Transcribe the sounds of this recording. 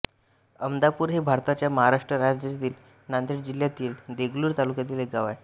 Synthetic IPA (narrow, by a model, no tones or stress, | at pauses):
əmd̪apuːɾɦibʱaɾt̪at͡ɕjaməɦaɾaʂʈɾəɾad͡ʑət̪iːl | nand̪iʈd͡ʑiljat̪iːld̪eɡluːɾt̪alukjat̪iːleɡaʋaj